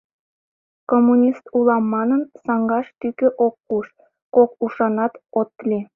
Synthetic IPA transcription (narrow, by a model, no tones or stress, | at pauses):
komːunʲist̪ulɑmːɑnənsɑŋɡɑʃt̪ykøʔokːuʃ | kokuʃɑnɑt̪ot̪̚ːlʲi